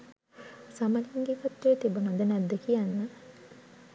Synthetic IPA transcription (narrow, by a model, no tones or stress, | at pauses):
samɐliŋɡekɐt̪ːeːt̪ibunɐd̪ənæd̪ːekijanːə